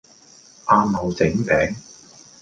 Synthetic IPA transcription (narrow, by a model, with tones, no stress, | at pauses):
ʔaː˧mho˨˧wt͡sɪ˨˥ŋpɛː˨˥ŋ